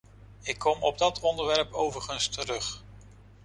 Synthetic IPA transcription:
ɪkʰːɔmɔb̚dɑtɔndəɹʋɛɹpowvəɹχənstəɾɵχ

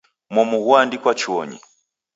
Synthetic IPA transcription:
mɔmuɣwandikwat͡ʃɔɲḭ

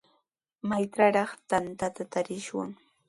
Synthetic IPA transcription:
majtɾaɾɑχt̪ant̪at̪at̪aɾɪʃwa̰ŋ

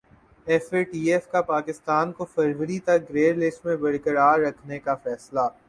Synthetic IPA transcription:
ɛfeʈiːɛfkapaːkɪst̪aːnkofɐɾʋəɾit̪ɐk̚ɡɾeːɾlɪsʈmẽbɐɽkəɽaːɾːɐkʰnekafɛːsla

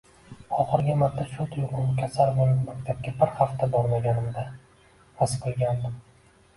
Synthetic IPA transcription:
ɒχɨɾɡʲɪmaɾt̪ʰːaʃot̪ʰjoqɒnɪkʲʰasaɾmenmakʲt̪ʰap̚kʲabɪɾhaft̪ʰabɒɾmaɡʲanɪmd̪a | ɾasqʰɨlˠɡʲand̪ɪm

